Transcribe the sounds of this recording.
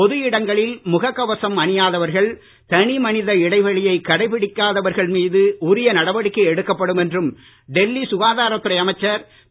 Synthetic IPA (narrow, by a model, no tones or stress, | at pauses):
pɔðɯjɪɽɐŋɡɐɭɪlmʊɣɐkːɐʋɐsɐmɐɳɪjaːðɐʋɐɾɣɐɭ | t̪ɐɳimɐnɪðɐɪɽɐɪʋɐɭɪjɐɪkːɐɽɐɪpɪɽɪkːaːðɐʋɐɾɣɐɭmiːðɯʊɾɪjɐnɐɽɐʋɐɽɪkːɐɛɽɯkːɐpːɐɽɯmɛndrɯm | ɖɛlːisʊɣaːðaːɾɐt̪ːɯɾɐɪɐmɐɪt͡ʃːɐɾ